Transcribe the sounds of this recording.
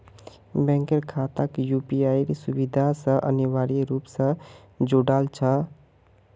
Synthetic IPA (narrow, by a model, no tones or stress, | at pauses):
bɛ̃ŋkeɾkʰat̪akjupiajɾesubid̪ʱasə̃ʔə̰niwaɾiɾupsə̃ | d͡ʒoɽalt͡ʃʰə